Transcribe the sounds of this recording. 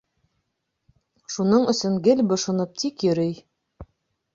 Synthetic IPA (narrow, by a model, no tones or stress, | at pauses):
ʃunɤɴɵ̆sɵŋɡɘlbɤ̆ʃŏnɤp̚t̪ʰikjɵ̆ɾɘj